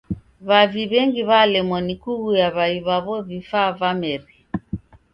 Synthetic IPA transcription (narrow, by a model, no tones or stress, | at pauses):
βaviβɛŋɡiβalɛmɔnikuɣujaβaiβaβɔvifavamɛɾi